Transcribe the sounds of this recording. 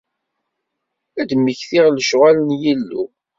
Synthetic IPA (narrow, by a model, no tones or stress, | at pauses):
æd̪məçθɪʁlʃʁælənjilːu